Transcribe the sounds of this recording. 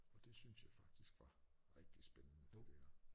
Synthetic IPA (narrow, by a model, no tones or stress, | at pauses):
ɒ̽d̥e̝synsjɑ̈ɪfɑ̈ɡ̥̚d̥isɡ̥ʋɑ̈ʁɛɡ̥̚d̥isb̥enənə̥deɐ